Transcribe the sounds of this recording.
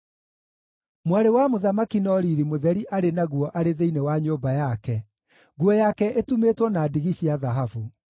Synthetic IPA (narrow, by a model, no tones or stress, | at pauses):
mwaɾewamoðamakinɔɾiɾimoðɛɾiʔaɾenaɣuɔʔaɾeðeinewaɲoːbajakɛ | ɣuɔjakɛʔetumetwɔnaːdiɣiɕiaðaɦavu